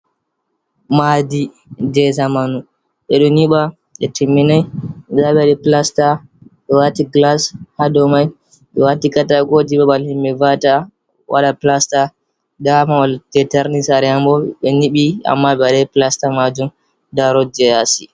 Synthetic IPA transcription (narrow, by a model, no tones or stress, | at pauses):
madi | d͡ʒɛzamanu | ɓɛɗɔniɓa | ɓɛtʰimːinajd͡ʒaɓɛaɗɛplastaɓɛwatiɡlashadɔmaj | ɓɛwatikataɡod͡ʒibaɓalhimɓɛvata | wa̰ɗaplasta | damawaltɛtɛɾnisaɾɛambɔɓɛniɓia̰mːaɓɛaɗɛplastamad͡ʒum | daɾɔd͡ʒɛjasi